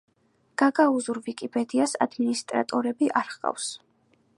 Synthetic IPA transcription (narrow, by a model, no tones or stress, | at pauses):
ɡ̥aɡauzuɾvikʼipʼɛd̪iasa̰d̪minist̪ʼɾa̰t̪ʼɔɾɛbiʔaɾχqʼa̰fs